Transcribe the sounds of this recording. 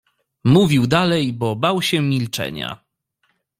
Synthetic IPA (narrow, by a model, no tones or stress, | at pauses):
muvʲiwd̪alɛjbɔbawɕɛmʲilt͡ʂɛ̰ɲa̰